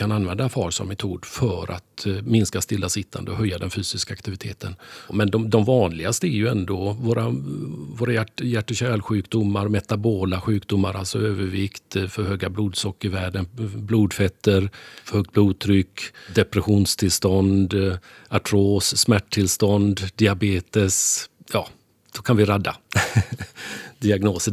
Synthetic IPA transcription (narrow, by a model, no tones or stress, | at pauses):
kʰananvɛnd̪afɑːɾsɔ̰mːɛt̪ʰuːd̪fœɾʔa̰t̪mɪnskast̪ɪlːasɪt̪ʰːa̰nd̪əɔɦœjːad̪ɛnfyːsɪskaːkt̪ɪvɪt̪ʰeːt̪ʰənmɛnd̪ɔd̪ɔmvɑːnlɪɡast̪əæɾjɵɛnd̪oːvoːɾavoːɾajæʈjæʈːəɕɛːlɧʉ̟ːkd̪ʊmːaɾmɛt̪aboːlaɧʉ̟ːkd̪ʊmːaɾalsɔøːvəɾvɪkt̪fœɾhøːɡabluːd̪sɔkːɪɾvæːɖənbluːd̪fɛt̪ːəɾfœɾhœɡ̚t̪̚bluːd̪̚t̪ʰɾʏkːd̪ɛpɾɛɧuːnst̪ʰɪlst̪ɔnd̪ | aʈʰɾoːsːmæʈːʰɪlst̪ɔnd̪d̪ɪabeːt̪əsjɑː | sɔkʰanvɪɾad̪ːa̰ | d̪ɪaɡnoːsə